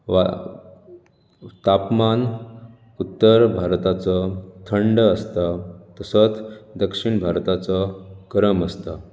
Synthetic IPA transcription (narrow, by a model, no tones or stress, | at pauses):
ʋa̰ | t̪apman | ut̪ːəɾbʱaɾt̪at͡sət̪ʰəɳɖəst̪at̪əsət͡sd̪əkʂiɳbʱaɾt̪at͡səkɾəməst̪a